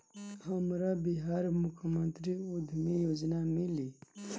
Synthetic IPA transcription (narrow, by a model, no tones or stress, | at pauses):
həmɾabiɦaːɾmʊkʰmə̃nt̪ɾiud̪ʱmijoːd͡ʒnamili